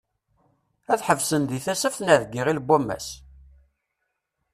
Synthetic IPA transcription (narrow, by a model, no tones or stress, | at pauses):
æθħəvsənd̪iθæsæfθnæðɡːiʁilbʷæmːæ̰s